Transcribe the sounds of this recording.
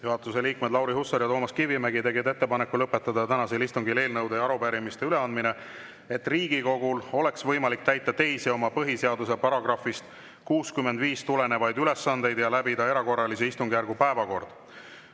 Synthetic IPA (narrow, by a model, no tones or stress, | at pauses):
juɦɑt̪ːˑuse̞liːkmed̪lɑwɾihusːɑɾjɑt̪oːmɑskivimæɡit̪e̞ɡed̪e̞t̪ːe̞pɑnekːˑulɤpːˑe̞t̪ːˑɑd̪ɑt̪ænɑselist̪uŋɡile̞ːlnɤwd̪ejɑɾupæɾimist̪e̞yle̞ɑnd̪̚mine̞ | e̞t̪ːˑriːɡ̥iko̞ɡulo̞le̞ksvɤ̞jmɑlik̚t̪æjt̪ːˑɑt̪e̞jsio̞mɑpɤɦise̞ɑd̪us̬e̞pɑɾɑɡ̥rɑfist̪ | kuːskymːend̪viːst̪ule̞ne̞vɑjd̪yle̞sːɑnd̪e̞jd̪̥jɑlæbid̪ɑe̞ɾɑko̞rːɑliseist̪uŋɡijærɡ̥upæevɑko̞rd̪̥